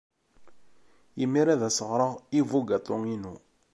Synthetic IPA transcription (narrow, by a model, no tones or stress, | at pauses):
imːiɾæðæsəʁɾˤəʁivuɡat̪ʰˤʊŋinu